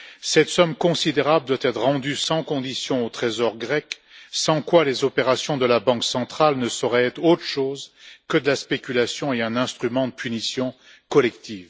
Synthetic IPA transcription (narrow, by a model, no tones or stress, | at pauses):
sɛt̪sɔmkɔ̃sid̪eʁabləd̪wat̪ɛt̪χʁɑ̃d̪ysɑ̃kɔ̃d̪isjɔ̃ot̪χezɔʁɡʁɛk | sɑ̃kwalezɔpeʁasjɔ̃d̪əlabɑ̃ksɑ̃t̪χalnəsɔʁɛɛt̪χot̪χə̥ʃoːzkəd̪əlaspekʲylasjɔ̃eɛ̃nɛ̃st̪χymɑ̃d̪əpʰynisjɔ̃ | kɔlɛkt̪ʰiːv